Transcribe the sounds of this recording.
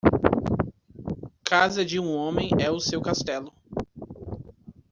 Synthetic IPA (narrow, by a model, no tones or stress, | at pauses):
kʰazɐd͡ʒɪũõmẽj̃ɛʊsewkast̪ɛlʊ